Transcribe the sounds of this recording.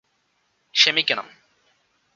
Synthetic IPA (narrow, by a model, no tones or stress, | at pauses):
ʃemikenɐ̰m